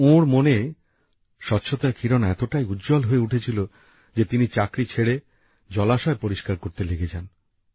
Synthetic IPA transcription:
õɾmone | ʃɔtːɕʰot̪aekʰiɾonaɛt̪oʈajud̪d͡ʑɔlɦoeuʈʰet͡ɕʰilo | d͡ʑet̪init͡ɕakɾit͡ɕʰeɽe | d͡ʑɔlaʃɔepoɾiʃkaɾkoɾt̪eleɡed͡ʑʰan

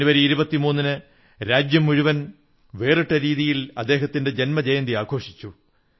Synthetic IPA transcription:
uʋɐɾiiɾubɐt̪ːimuːnːinɨ | ɾaːd͡ʑjɐmːuɻuʋɐn | ʋe̞ːriʈːɐɾiːðijilɐd̪ːe̞ːɦɐt̪ːinde̞d͡ʑe̞nmɐd͡ʑejɐnd̪iaːɡʰʱo̞ːʂi̥t͡ɕːu

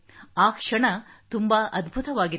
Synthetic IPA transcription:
aːkʂɐɳɐt̪umbaʔɐd̪bʱut̪ɐʋaːɡi

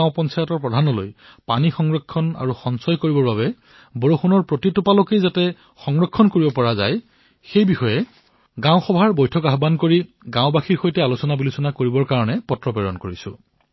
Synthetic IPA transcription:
aʊ̃pɔnsajɔtɔɹpɹɔdʱanɔlo̰j | panixɔŋɹɔkʰːɔna̰ɹuxɔnsɔjkoɹibɔɹbaβɛ | bɔɹoxunɔɹpɹotitupalokejzatɛ | xɔŋɹɔkʰːɔnkoɹibɔpɔɹaza̰j | xejbixɔjɛ | ɡãwʊ̃xɔbʱaɹbojtʰɔkaɦbankoɹiɡãʊ̃baxʰiɹxojtɛalusɔnabilusɔnakoɹibɔɹkaɹɔnɛpɔtɹɔpɛɹɔ̰nkoɹisʊ̰

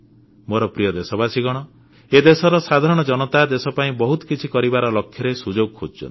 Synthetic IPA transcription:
moɾɔpɾijɔd̪esɔbasiɡɔɽ̃ɔ | ed̪esɔɾɔsad̪ʱaɾɔɽ̃ɔd͡ʒɔnɔt̪ad̪esɔpaĩbɔɦut̪ɔ̥kit͡ʃʰikɔɾibaɾɔlɔkʰːjɔɾesud͡ʒoɡɔkʰod͡ʒt͡ʃʰɔ̰nt̪i

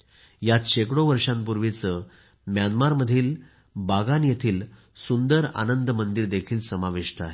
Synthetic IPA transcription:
jat̪ɕekɽoʋəɾʂãmpuɾʋet͡sə | mjanmaɾməd̪ʱiːl | baɡanjet̪ʰiːl | sund̪əɾa̰nənd̪mənd̪iɾd̪ekʰiːlsəmaʋiʂʈʰəaɦe

